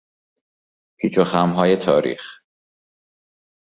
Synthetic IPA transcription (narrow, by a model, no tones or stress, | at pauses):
pʰiːt͡ʃʰoxæmɦɒːje̞t̪ʰɒːɾḭːx